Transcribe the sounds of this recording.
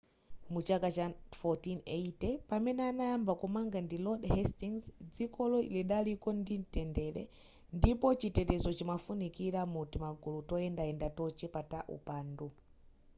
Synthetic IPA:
mut͡ʃakat͡ʃafɔtineitɛpamɛnɛanajambakɔmaŋɡandilɔɗhɛstiŋzd͡zikɔlɔḭlɛɗalikɔndin̩tɛndɛlɛ̰ | ndipɔt͡ʃitɛtɛzɔt͡ʃimafunikiɾamutimaɡulutɔɛndaɛndatɔt͡ʃɛpataʔṵpaːndu

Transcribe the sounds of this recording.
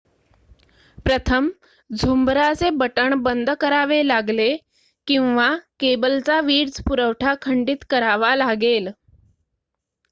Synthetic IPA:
pɾət̪ʰəm | d͡zʱumbɾat͡sebəʈəɳbənd̪ʱkəɾaʋelaɡle | kĩw̃ʋakebəlt͡saʋiːɽd͡zpuɾəʋʈʰakʰəɳɖiːt̪kəɾaʋalaɡel

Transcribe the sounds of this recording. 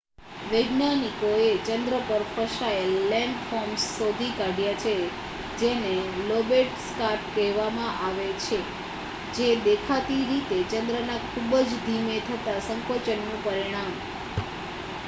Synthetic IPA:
ʋəjɡnanikoet͡ʃənd̪ɾəpəɾfəʃaəlːɛɳɖfɔɾmsːod̪ʱikaɖjat͡ʃʰe | d͡ʒenelobeʈskaɾʈkɛɦʋamãʔaʋet͡ʃʰe | d͡ʒed̪ekʰat̪iɾit̪et͡ʃənd̪ɾənakʰubəd͡ʒd̪ʱimet̪ʰət̪asəŋkot͡ʃənːũpəɾiɽ̃am

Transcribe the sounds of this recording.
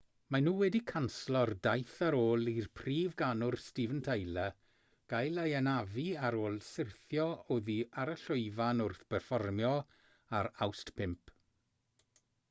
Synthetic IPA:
manuːwɛdikʰanslˠɔrdajθaɾoːlˠirpʰriːvɡanʊrstivəntʰejlə | ɡ̥ajləjənaviaɾoːlˠsɪrθjɔoːðiaɾəɬʊɨvanʊrθpʰɛrfɔrmjɔ | aɾawstpʰɪmpʰ

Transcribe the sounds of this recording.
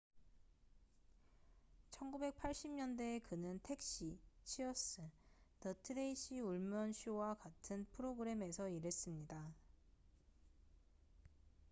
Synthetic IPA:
t͡ɕʰʌnɡube̞k̚pʰaɭɕ͈imɲʌnde̞kɯnɯntʰe̞k̚ɕ͈it͡ɕʰiʌs͈ɯnʌtʰɯdeiɕ͈ʰiuɭmjʌnɕʰuwakatʰɯnpʰɯɾoɡɯɾe̞me̞sʰʌiɾe̞s͈ɯmɲida

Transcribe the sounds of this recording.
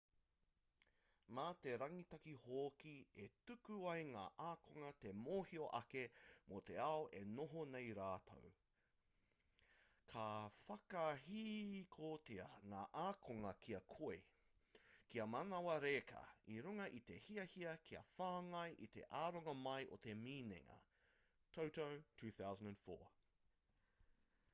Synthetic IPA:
maːt̪e̞ɾɐŋit̪ɐkihoːkietʉkʉɐjŋa̰ːʔaːkʰoŋɐt̪e̞moːhioʔɐkemot̪e̞ɐoʔe̞noɦonejɾaːtʰo̰w | kʰɐfɐkɐɦikʰoːteɐŋaːʔaːkʰoŋɐkʰiɐkʰoe | kiɐmɐnɐwɐɾeːkʰɐ̰iɾuŋɐʔit̪e̞hiɐhiɐkʰiɐ̰faːŋɐjʔit̪e̞̰ʔaːɾoŋɐmɐjʔot̪e̞miːnḛŋɐ̰ | tʰowtowtʰʉːθawzə̃ndæ̃nfo̰ː

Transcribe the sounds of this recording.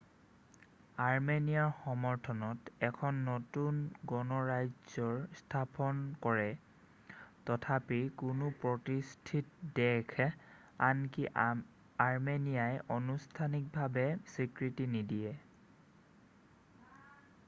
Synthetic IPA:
aɹmenijaɹxɔmɔɹtʰɔnɔtɛkʰɔnːɔtunɡɔnɔɹajzɔɹstʰapɔnkɔɹɛ | tɔtʰapikʊnʊpɹɔtistʰitdɛkʰ | anki | aɹmenijajʔɔnustʰanik̚bʱabɛsikɹitinidiɛ

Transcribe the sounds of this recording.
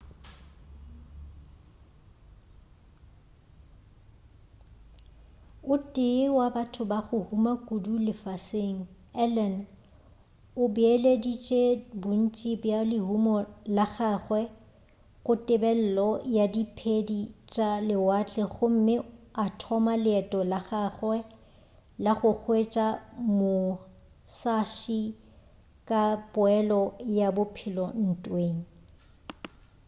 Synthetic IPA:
ʊtʼɪwabatʰʊbaχʊhumakʼudulɪfaseŋ̩ | ɛlɛn | ʊbiɛledit͡ʃʼebʊn̩t͡ʃʼibjalɪɦumɔlaɣaːχwɛ | ɣʊtʼɪbɛl̩lɔjadipʰedit͡ʃʼalɪwat͡ɬʼɛχʊm̩mɪatʰɔmalɪɛtʼɔlaχaːχwɛ | laχʊk͡xʰwet͡ʃʼamʊ | saʃi | kʼapʼʊɛlɔjabʊpʰɪlɔn̩tʼweːŋ̩

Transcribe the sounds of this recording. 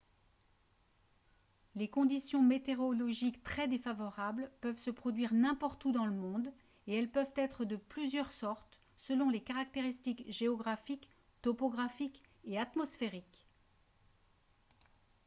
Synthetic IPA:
lekɔ̃d̪isjɔ̃met̪eʁɔlɔʒikt̪χɛd̪efavɔʁablpœvsəpχɔd̪ɥiʁnɛ̃pɔʁt̪ud̪ɑ̃ləmɔ̃d̪ | eɛlpœvt̪ɛt̪χəd̪əplyzjœʁsɔʁt̪ | səlɔ̃lekaʁak̚t̪eʁist̪ikʒeɔɡʁafik | t̪ɔpɔɡʁafik | eat̪mɔsfeʁik

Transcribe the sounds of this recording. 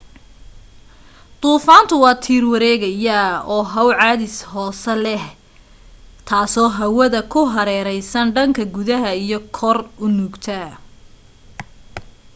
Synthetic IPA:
t̪ʼuːfaːnt̪ʰʊwɑːt̪ʰiːrwɐɾɛːɣɐjaɔːɦɐwʕɑːðɪshɔːsɛlɛh | t̪ʰaːsɔːɦɐwɐðɐkʰʊɦɐɾɛːɾɛjsɐnɖɐŋkʰɐɡʊðɐɦɐijɞkʰɔrʊnuːɡt̪ʰɐ

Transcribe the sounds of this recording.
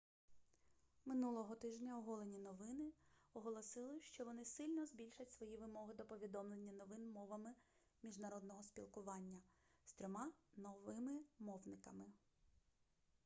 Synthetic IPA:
mɪnulˠɔɦɔt̪ɪʒnʲɐɔɦɔlˠenʲinɔʋɪnɪɔɦɔlˠɔsɪlˠɪʃt͡ʃɔʋɔnɪsɪlʲnɔzbʲilʲʃɐtʲsʋɔjiʋɪmɔɦɪd̪ɔpɔʋʲid̪ɔmlˠenʲːɐnɔʋɪnmɔʋɐmɪ | mʲiʒnɐɾɔd̪nɔɦɔspʲḭlˠkʊʋɑnʲːɐst̪ɾʲɔmɑnɔʋɪmɪmɔwnɪkɐmɪ

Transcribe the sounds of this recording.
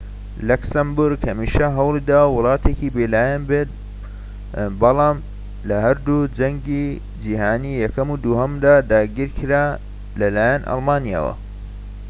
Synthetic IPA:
lɐksɐmbʊɾɡhɐmiːʃɐɦɐwlid̪aːwʊlˠɑːt̪ʰekibelaːjanbet̪̚ | bɐlɑːm | lɐhɐɾd̪ud͡ʒɐŋɡi | d͡ʒihaːniːjɐkɐmud̪uhɐmd̪aːd̪aːɡiɾkʰɨɾaː | lɐlaːjɐnʔɑ̰lˠmaːnija̰ːwɐ̰

